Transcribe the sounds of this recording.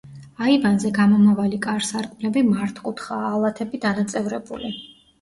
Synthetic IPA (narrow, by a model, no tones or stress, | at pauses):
aivanzɛɡamɔmavalikʼaɾsaɾkʼmlɛbimaɾt̪ʰqʼut̪ʰχaːlˠat̪ʰɛbid̪anat̪sʼɛvɾɛbṵli